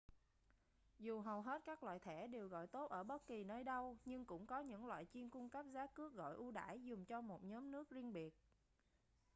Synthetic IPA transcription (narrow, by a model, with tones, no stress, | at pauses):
zu˨˩ɦə˨˩wɦe˦˥t̚kaː˦˥k̚lwa̰ː˧˨jt̪ʰɛ˧˩ɗe˨˩wɣɔ̰˧˨jt̪o˦˥t̚ʔəː˧˩ɓə˦˥t̚ki˨˩nəː˧jɗə˧wɲɨ˧ŋkʊ̰˧˥ŋ͡mkɔ˨˦ɲɨ̰˧˥ŋlwa̰ː˧˨jt͡ɕi˧ənkʊ˧ŋ͡mkə˦˥p̚zaː˨˦kɨ˦˥ək̚ɣɔ̰˧˨jʔu˧ɗa̰ː˧˩jzʊ˨˩ŋ͡mt͡ɕɔ˧mo˨˩t̚ɲɔ˨˦mnɨ˦˥ək̚zi˧ənɓi˨˩ət̚